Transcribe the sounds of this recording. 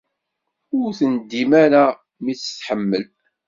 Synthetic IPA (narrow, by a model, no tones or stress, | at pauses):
ʊɾθənd̪ːimaɾa | mit͡sːə̥θħəmːəl